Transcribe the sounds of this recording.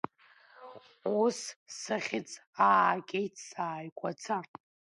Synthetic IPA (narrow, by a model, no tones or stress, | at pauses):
ussaχʲɪt͡sʼaːkʲʼejtʰsaːjkʷʰat͡sʰa